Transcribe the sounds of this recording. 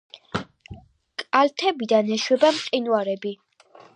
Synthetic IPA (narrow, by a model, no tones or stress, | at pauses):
kʼalt̪ʰɛbid̪anɛʃwɛbamqʼinuaɾɛbi